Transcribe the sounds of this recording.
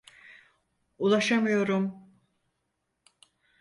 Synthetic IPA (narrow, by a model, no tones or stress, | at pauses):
ulˠaʃamɯjo̞ɾum